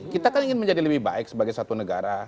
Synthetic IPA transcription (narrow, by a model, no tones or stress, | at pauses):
kit̪akaniŋɪnməɲd͡ʒadiləbɪhba̰ɪk̚səbaɡajsat̪unəɡaɾa